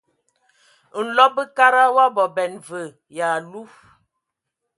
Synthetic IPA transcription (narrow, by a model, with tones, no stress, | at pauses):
n̩˨lɔ˦bə˦ka˦ɾa˦wa˦bɔ˨bɛ˨nvə˨ | ja˨lu˦